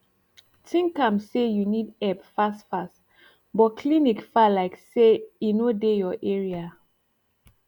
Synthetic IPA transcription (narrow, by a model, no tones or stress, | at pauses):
tʰĩŋkãmsejunidɛbfastfast | bɔkʰlinikfalaɪkseinodejɔʔɛɹia